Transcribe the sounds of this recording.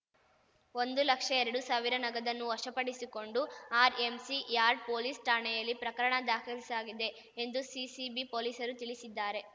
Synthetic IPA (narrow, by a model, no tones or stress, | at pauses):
o̞nd̪ulɐkʂɐɛɾɐɽusaːʋiɾɐnɐɡɐd̪ɐnːuʋɐʂɐpɐɽisiko̞ɳɖuaːɾe̞msijaːɾɖ̚po̞ːliːsʈaːɳɛjɐlːipɾɐkɐɾɐɳɐd̪aːkʰɐɾisaːɡid̪e̞ː | nd̪usisibipo̞ːliːsɐɾut̪iɭisid̪ːaːɾe̞